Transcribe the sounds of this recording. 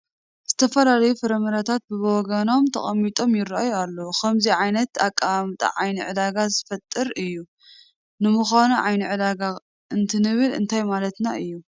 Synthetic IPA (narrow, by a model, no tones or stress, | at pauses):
z̥ɨt̪ʰɐfɐlalɐjufɨɾɐmɐɾat̪ʰat̪̚bɨboɡɐno̞mt̪ʰɐ̰χʼɐmːit̪ʼo̞mjɪɾajualːokʰɐmziʕajnɐt̪akʼːaamt̪ʼa̰ʕajniʕɨd̪aɡazɨfɐt̪ʼːɨɾɨjːu | nɨmuxʷanuʕajniʕɨd̪aɡa | ɨnt̪ʰɨnɨβɨlɨ̰nt̪ʰajmalɐt̪naɨjːu